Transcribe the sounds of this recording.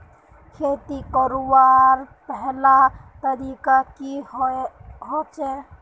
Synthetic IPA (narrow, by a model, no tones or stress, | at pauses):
kʰeːt̪ikəɾobaɾpɛɦlat̪əɾikaki | ɦot͡ʃe